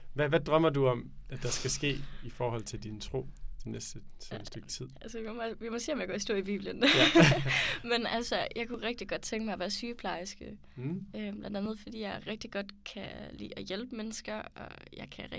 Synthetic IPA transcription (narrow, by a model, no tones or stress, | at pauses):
ʋæʋæd̥ʁɶmɐduɒ̽mæd̥ɑ̈sɡ̥æsɡ̥e̝̰ːifɒːhɒ̽l̰t͡sʰe̝ld̥int͡sʰʁo̝̰ːt͡sʰenesd̥əseməsd̥øɡ̥t͡sʰið̰ˠʔælsəimmɑʋimɒsḭːɒmjɑɡ̥ɒ̰ːisd̥o̰ɐ̰ib̥ḭːb̥lən | menælsəjɑ̈ɪkʰuʁɛɡ̥̚d̥iɡ̥ɒ̽d̥̚t͡sʰeŋɡ̥əmɑ̈ɪʋæɐsyːpʰlɑ̈ɪsɡ̥ə | øb̥lænd̥ænð̞̩ˠfɒd̥ḭːjɑ̈ɪʁɛɡ̥̚d̥iɡ̥ɒ̽d̥kʰælḭːɒjelb̥əmenəsɡ̥ɐɒjɑ̈ɪkʰæ